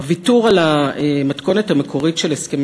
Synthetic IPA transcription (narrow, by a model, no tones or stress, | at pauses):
vituʁalaemat̪ko̞nethamekʰo̞ʁitʃeleskem